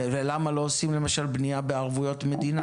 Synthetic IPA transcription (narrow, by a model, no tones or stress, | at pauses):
velamalo̞osimle̞maʃalbniabe̞aʁvujo̞tme̞d̪ina